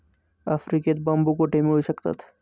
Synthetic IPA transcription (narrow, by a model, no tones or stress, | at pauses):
ɐfɾiket̪bɐ̃mbukoʈeːmɦoisɐkt̪ə̰t̪ʰ